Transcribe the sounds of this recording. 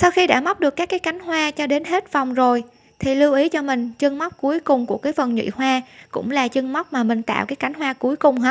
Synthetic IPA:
sa˧wxi˧ɗa̰ː˧˥ma˦˥wk͡p̚ɗɨ˨˩əkːaː˦˥kːaː˨˦jka˨˦jŋ̟ɦwaː˧t͡ɕɔ˧ɗe˨˦nɦe˦˥t̚va˨˩wŋ͡mzo˨˩j | t̪ʰi˨˩li˧wʔi˨˦t͡ɕɔ˧mï˨˩ŋ̟t͡ɕɨ˧əŋma˦˥wk͡p̚ku˨˦əjkʊ˨˩ŋ͡mku˧˩əkaː˨˦jfə˨˩nɲwḭ˧˨hwaː˧kʊ̰˧˥ŋ͡mlaː˨˩t͡ɕɨ˧əŋma˦˥wk͡p̚maː˨˩mï˨˩ŋ̟t̪a̰ː˧˨wkaː˨˦jka˨˦ŋ̟ɦwaː˧ku˨˦jkʊ˨˩ŋ͡mɦa˨˦˥

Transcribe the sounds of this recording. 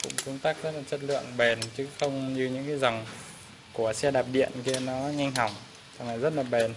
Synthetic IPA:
kʊ̰˧˥ŋ͡mku˧˦ŋ͡mt̪aː˦˥k̚zə˦˥t̚laː˨˩ə˦˥t̚lɨ̰˧˨əŋɓe˨˩nt͡ɕɨ˨˦xə˧wŋ͡mɲɨ˧ɲɨ̰˧˥ŋkaː˨˦jza˨˩wŋ͡m | ku˧˩əsɛ˧ɗaː˨˩p̚ɗḭ˧˨ənki˧ənɔ˨˦ɲa˧ŋ̟ɦa˧˩wŋ͡m | tʰa˨˩ŋlaː˨˩jzə˦˥t̚laː˨˩ɓe˨˩n

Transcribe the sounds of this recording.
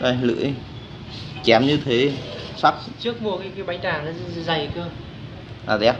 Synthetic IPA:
ʔa˧˩jlɨ̰˧˥əj | t͡ɕɛ˨˦mɲɨ˧t̪ʰe˨˦sa˦˥k̚t͡ɕɨ˦˥ək̚mu˨˩kaː˨˦jkaː˨˦jɓa˨˦jɗaː˧˩na˨˦˧za˨˩jt͡ɕɨ˧ə | ʔaː˨˩t̪ːa˦˥

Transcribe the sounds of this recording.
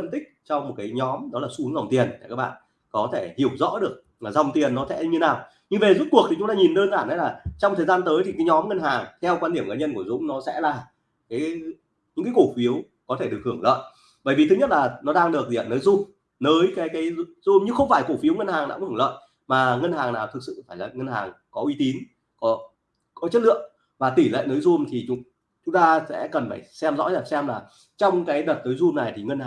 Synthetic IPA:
fə˧nt̪ï˦˥k̚t͡ɕɔ˧wŋ͡mm˨˩t̚kaː˨˦jɲɔ˨˦mɗɔ˨˦laː˨˩su˧˦˧ŋza˨˩wŋ͡mt̪i˨˩ənaː˨˩kaː˦˥k̚ɓa̰ː˧˨n | kɔ˨˦t̪ʰe˧˩hi˧˩əwzɔ̰˧˥ɗɨ˨˩ək̚ | aː˨˩za˨˩wŋ͡mt̪i˨˩ənːɔ˨˦t̪ɛ̰˧˥ɨ˧ɲɨ˧naː˨˩w | ɲɨ˧ŋve˨˩zu˦˥t̚ku˨˩ək̚t̪i˨˩t͡ɕʊ˨˦ŋ͡mt̪aː˧ɲi˨˩nɗəː˧nzaː˧˩na˨˦laː˨˩t͡ɕɔ˧wŋ͡mt̪ʰəː˨˩zaː˧nt̪əː˨˦jt̪ʰi˨˩kaː˨˦jɲɔ˨˦mŋə˧nɦaː˨˩ŋt̪ʰɛ˧wkwaː˧nɗi˧˩əmŋa˧˩nɲə˧nku˧˩əzʊ̰˧˥ŋ͡mnɔ˨˦sɛ̰˧˥laː˨˩ | kaː˨˦j | ɲɨ̰˧˥ŋkaː˨˦jko˧˩fi˨˦əw | kɔ˨˦t̪ʰe˧˩ɗək̚hɨ˧˩əŋlə̰ː˧˨j | ɓəː˧˩jvi˨˩t̪ʰɨ˨˦ɲə˦˥t̚laː˨˩nɔ˨˦ɗaː˧ŋɗɨ˨˩ək̚i˨˩˨a̰˨˩nəː˨˦jzu˧m | nəː˨˦jkaː˨˦jkaː˨˦jzu˧mɲɨ˧xə˧wŋ͡mfaː˧˩jko˧˩fi˨˦wŋə˧nhaː˨˩ŋɗa̰ː˧˥˧lə̰ː˧˨n | maː˨˩ŋə˧nhaː˨˩ŋnaː˨˩wt̪ʰɨ˨k̚sɨ̰˧˨faː˧˩jlaː˨˩ŋə˧nha̰ː˨˩ŋkɔ˨˦ʔwi˨˧˦t̪i˨˦n | kɔ˨˦ | kɔ˨˦t͡ɕə˦˥t̚lɨ̰˧˨əŋ | vaː˨˩t̪i˧˩lə̰ː˧˨jnəː˨˦jzu˧mt̪ʰi˨˩t͡ɕʊ˨˦ | t͡ɕʊ˨˦ŋ͡mt̪aː˧sɛ̰˧˥kə˨˩nfaː˧˩jsɛ˧mzɔ̰˧˥zaː˨˩sɛ˧mlaː˨˩ | t͡ɕɔ˧wŋ͡mkaː˨˦jɗə˨˩t̚t̪əː˨˦jzu˧mna˨˩jt̪ʰi˨˩ŋə˧nhaː˨˩

